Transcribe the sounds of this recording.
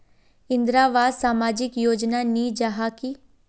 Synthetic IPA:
ɪ̃nd̪ɾaːʋaːd̪saːmaːd͡ʒɪkjoːd͡ʒnaniːd͡ʒaɦaki

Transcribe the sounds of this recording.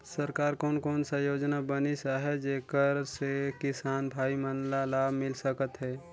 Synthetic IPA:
səɾkaːɾkɔːnkɔːnsajoːd͡ʒnabənisaɦɛd͡ʒeːkəɾsekɪsaːnbʱaːimənlalaːbmɪlsəkət̪ɦɛː

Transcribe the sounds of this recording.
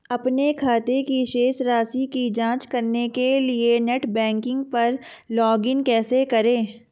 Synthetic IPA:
ɐpnekʰaːt̪ekiʃeːʃɾaːsikid͡ʒãːt͡ʃkɐɾnekelienɛʈbɛ̃ːŋkɪ̃ŋɡ̚pɐɾ | lɔːɡɪnkɛːsekɐɾẽː

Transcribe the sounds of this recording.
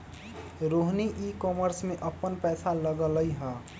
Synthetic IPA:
ɾoɦniʔikɔməɾsmeʔəpːənpɛːsaləɡələjɦə

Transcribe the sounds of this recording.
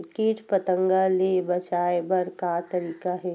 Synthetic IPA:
keːʈpət̪ə̃ŋɡalebɐt͡ʃaːebɐɾkat̪ɐɾiːkaɦɛː

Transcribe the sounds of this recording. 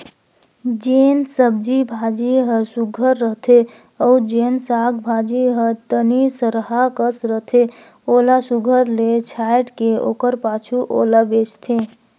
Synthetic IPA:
d͡ʒeːnsəb̚d͡ʒibʱad͡ʒiɦə̃suɡʱəɾːəɦt̪ʰe | əʊd͡ʒeːnsaːkʰbʱad͡ʒiɦət̪ənisəɾəɦakəsɾəɦt̪ʰe | oːlasuɡʱəɾlet͡ʃʰajʈkeo̰ːkəɾpaːt͡ʃʰuʔolabet͡ʃt̪ʰe

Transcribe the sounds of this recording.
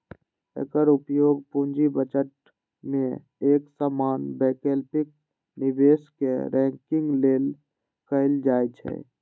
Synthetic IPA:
ḛkəɾʊpjoːɡpũɲd͡ʒibət͡ʃəʈ̚ | mẽ | eːksaːmaːnbeːkeːlpɪk̚ | nɪbeːskḛɾɛ̃ːŋkɪ̃ŋɡleːl | kəɪld͡ʒaːjt͡ʃʰɛ̰

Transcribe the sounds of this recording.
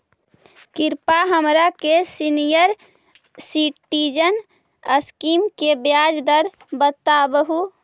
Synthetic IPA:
kiɾpaɦəmɾakesinijəɾ | siʈːid͡ʒən | əskimkebjad͡ʒd̪əɾ | bət̪abəɦu

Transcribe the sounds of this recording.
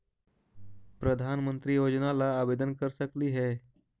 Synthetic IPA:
pɾəd̪ʱanmənt̪ɾiːjod͡ʑnalaːbed̪ənkəɾsəkliːɦɛ

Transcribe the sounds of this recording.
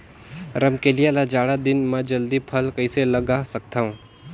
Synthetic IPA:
ɾɐmkelielad͡ʒaːɽad̪ɪnmɛ̃d͡ʒɐld̪ipʰɐlkɐiselɐɡaːsɐk̚t̪aːɦũː

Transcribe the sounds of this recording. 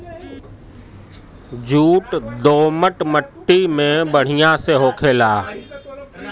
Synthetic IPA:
d͡ʑʱuːʈd̪oːməʈməʈːimẽbəɽ̤ijãseːɦoːkʰeːlaː

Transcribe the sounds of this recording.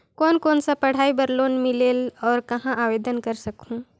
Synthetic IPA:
kɔːnkɔːnsapɐɽ̤aːibɐɾloːnmɪleːlɔːɾkɐɦãʔaːʋeːd̪ənkɐɾsɐkũ

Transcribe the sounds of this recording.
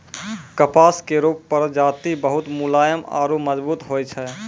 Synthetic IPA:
kəpaːskeɾuːpːəɾd͡ʒaːt̪ibəɦʊt̪mulaːjəma̰ːɾuməd͡ʒbuːt̪ɦoːjt͡ʃʰɛ

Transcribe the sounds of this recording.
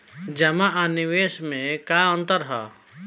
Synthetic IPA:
d͡ʒɐmaʔanɪʋeːʃmẽkaə̃nt̪əɾɦɛ̰ː

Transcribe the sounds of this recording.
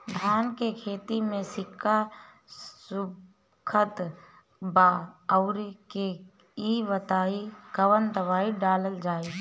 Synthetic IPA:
d̪ʱaːnkekʰeːt̪imẽsɪkʰːa | su | kʰət̪ | baəʊɾke | iʋət̪aːikəʋənd̪əʋaːiɖaːləld͡ʒaːi

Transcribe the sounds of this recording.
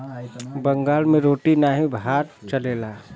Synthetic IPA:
bəŋɡaːlmẽɾoːʈinaːɦibʱaːɾt͡ʃəleːlaː

